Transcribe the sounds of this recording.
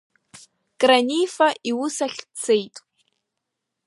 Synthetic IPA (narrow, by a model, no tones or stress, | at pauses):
kʼranifaʔʔiwʊsaɬʲt͡sʰejtʼ